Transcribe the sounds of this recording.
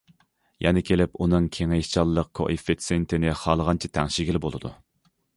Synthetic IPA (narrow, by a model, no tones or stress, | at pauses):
jɛnɪkʲʰelɪpunɨŋkʲʰeŋejt͡ʃʰɑlˠːəq̚kʰo̰ʔifisijent̪ʰɪnɪχɑlˠəʁɑnt͡ʃʰit̪ʰɛŋʃɪɡʲilbolˠɨd̪ṵ